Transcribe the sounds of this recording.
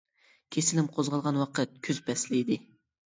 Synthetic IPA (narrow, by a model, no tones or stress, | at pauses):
kʲʰesɪlɪmqʰozʁɑlˠʁɑnwɑqʰət̪̚kʲʰyz̥pʰɛslɪjd̪ɪ